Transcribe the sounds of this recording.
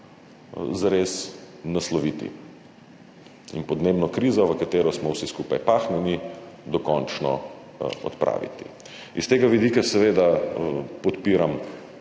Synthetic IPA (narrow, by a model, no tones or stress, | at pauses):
zaɾes | naslɔʋit̪ḭ | ḭnpɔd̪neːbnɔkɾiːzɔʋəkat̪eːɾɔsmɔwsiskupajpaːxnɛnid̪ɔkɔnt͡ʃnɔ̰ | ɔ̰t̪pɾa̰ːʋḭt̪i̥̰ | ist̪eːɡaʋid̪ikasɛʋeːd̪a | pɔt̪piːɾam